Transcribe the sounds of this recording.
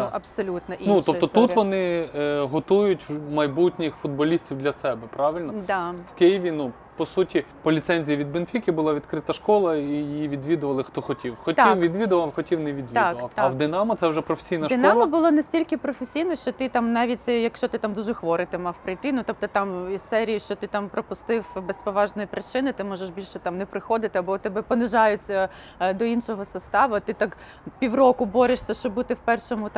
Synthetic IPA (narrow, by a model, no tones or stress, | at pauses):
nʔɐpsɔlʲut̪nɐʔinutɔpt̪ɔt̪ut̪ʋɔnɪɦɔt̪ujʊtʲmɐjbutʲnʲɪxfʊd̪̚bɔlʲisʲtʲiwd̪lʲɐsɛbɛpɾɑʋɪlʲnɔd̪awkɪjɪʋʲinu | pɔsutʲi | pɔlʲit̪sɛnʲzʲijɐʋʲid̪̚benfʲikʲibʊlˠɑʋʲid̪kɾɪt̪ɐʃkɔlˠɐijijiʋʲid̪ʋʲid̪ʊʋɐlˠɪxt̪ɔxɔtʲiwxɔt̪ʲiwʋʲid̪ʋʲid̪ʊʋɐwxɔtʲiwnɛʋʲid̪ʋʲid̪ʊʋɐwɐwd̪ɪnɑmɐt̪sɛwʒɛpɾɔfʲe̥sʲijnɐʃd̪ɪnk̪ɔmlˠɐbʊlˠɔnɐsʲtʲilʲkɪpɾɔfesʲijnɔʃt͡ʃɔt̪ɪt̪amnɑʋʲitʲsʲɛjɐkʃt͡ʃɔt̪ɪt̪ɑmd̪uʒɛxʋɔɾɪt̪ɪmɑwpɾɪjt̪ɪnʊt̪ɔp̚t̪ɔt̪ɑmissɛɾʲijiʃt͡ʃɔt̪ɪt̪ɑmpɾɔpʊst̪ɪwbɛspɔʋɑʒnɔjipɾɪt͡ʃɪnɪt̪ɪmɔʒeʃbʲilʲʃɛt̪ɑmnɛpɾɪxɔd̪ɪt̪ɪɐbɔt̪ɛbɛpɔnɪʒɑjʊt͡sʲːɐ | d̪ɔinʃɔɦɔsɐst̪ɑʋɐt̪ɪt̪ɑk | pʲiwrɔkʊbɔɾʲɪʃsʲɐʃt͡ʃɔbut̪ɪwpɛrʃɔmʊt̪